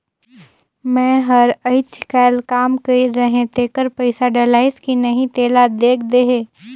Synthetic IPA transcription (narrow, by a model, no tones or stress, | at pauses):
mɛ̃ːɦɐɾəɪt͡ʃkɛːlkaːmkəiɾɐɦẽt̪eːkəɾpɐɪsaɖelaːɪskinɐɦĩt̪eːlad̪eːkʰd̪eɦeː